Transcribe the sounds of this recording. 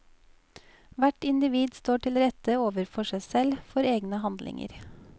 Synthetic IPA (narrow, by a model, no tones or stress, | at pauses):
ʋæʈɪnd̪ɪʋiːd̪st̪oːʈʰɪlɾɛt̪əoːʋəɾfɔʃæɪsɛlfɔɾeːɡnəhɑnd̪lɪ̰ŋə̰ɾ